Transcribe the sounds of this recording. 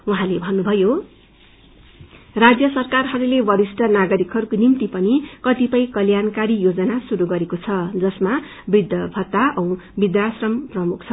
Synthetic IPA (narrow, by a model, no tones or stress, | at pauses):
uɦãlebʱʌnːubʱʌjo | rad͡zjʌsʌrkarɦʌɾulebʌɾisʈʌnaɡʌɾikɦʌɾukonimt̪ipʌnikʌt̪ipʌjkʌljankaɾijod͡zʌnasuɾuɡʌɾekot͡sʰʌd͡zʌsma | bid̪jʌbʱʌt̪ːaʌw̃bid̪jasrʌmprʌmuk̚ʰt͡sʰʌ